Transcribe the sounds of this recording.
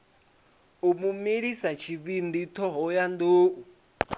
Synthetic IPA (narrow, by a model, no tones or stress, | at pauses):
umumiɺisat͡ʃʰiβind̪it̪ʰɔɦɔjand̪oːu